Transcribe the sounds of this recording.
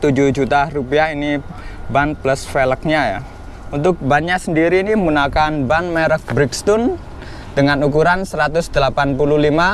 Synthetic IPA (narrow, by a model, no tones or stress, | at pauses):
t̪ud͡ʒuhd͡ʒut̪arupiahini | banpləsfelək̚ɲaja̰ | unt̪ʊk̚banɲasəndiɾiːnimunakanbanmɛɾək̚bɾɪkst̪un | d̥əŋanukuɾansəɾat̪ʊsd̪̥əlapanpululima